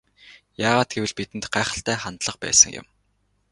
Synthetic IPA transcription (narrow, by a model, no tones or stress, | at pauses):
jaːʁaːt̪̚ɡ̥ewɘ̆ɮpit̪ɘ̆nt̪ɢaːχə̥̆ɬt̪æːχant̪ɮə̆χpæ̰ːsə̆ŋjʊ̰̆m